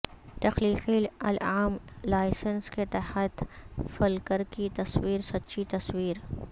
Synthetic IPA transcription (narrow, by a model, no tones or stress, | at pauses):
t̪ɐxliːxilɐ̰laːmlaːɪsənsket̪ɐhət̪fɐlkəɾkit̪ɐswiːɾsɐtːʃʰit̪ɐswiːɾ